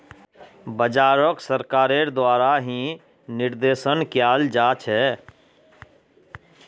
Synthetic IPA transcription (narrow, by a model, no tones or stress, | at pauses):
bəd͡ʒaːɾəksəɾkaːɾeɾd̪waːɾaɦĩ | nɪɾd̪eːsənkjaːld͡ʒaːt͡ʃɦɛː